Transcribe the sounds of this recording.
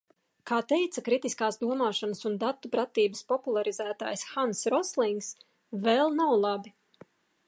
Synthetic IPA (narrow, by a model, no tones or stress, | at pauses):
kaːt̪ɛjt̪sɐkɾit̪iskaːsd̪uɔmaːʃanasund̪at̪ːupɾat̪iːbəspɔpulˠaɾizæːt̪a̰ːjsxansɾɔslˠiŋks | vɛlˠnawlˠabi